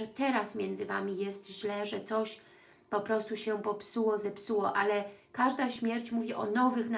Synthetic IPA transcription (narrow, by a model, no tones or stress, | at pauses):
ɛt̪ɛɾasmʲjɛnd̪zɘva̰mʲijɛst̪ʑlɛʐɛt̪sɔɕ | pɔpɾɔst̪uɕɛpɔpsuwɔzɛpsuwɔʔalɛkaʐd̪aɕmʲjɛɾt͡ɕmuvʲiʔɔnɔvɘxn